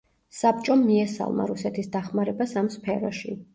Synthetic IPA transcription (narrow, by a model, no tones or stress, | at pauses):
sap̚t͡ʃʼɔmiɛsa̰lˠma̰ɾusɛt̪ʰisd̪aχmaɾɛbasamspʰɛɾɔʃi